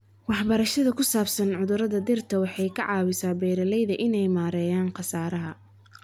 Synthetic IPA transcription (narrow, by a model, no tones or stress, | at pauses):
wɑħbɐɾɐʃɐðɐkʰʊsaːbsɐnʕʊðʊɾɐðɐd̪ɪrt̪ʰɐwɑħɑjkʰɐʕɑːwɪsaːbɛːɾɐlɛjðɐʔɪnɛjmaːɾɛːjaːnqɑsaːɾɐɦɐ